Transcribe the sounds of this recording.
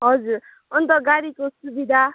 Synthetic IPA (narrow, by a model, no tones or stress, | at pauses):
ɦʌd͡zuɾ | ʌnt̪ʌɡaɾikosubid̪ʱa